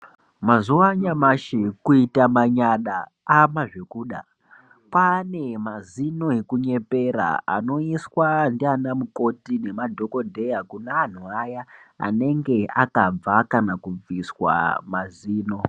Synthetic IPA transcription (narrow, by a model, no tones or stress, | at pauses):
mazuwaɲamaʃekuitamaɲaɗa | amaʐe̞kuːɗa̰ | pane̞mazino̞ekuɲe̞pe̞ɾa̰a̰no̞iswandianamuko̞tine̞madʱo̞ko̞dʱe̞jakunean̤uajaa̰ne̞ŋɡe̞akab͡vakanakub͡viswa̰maziːno̞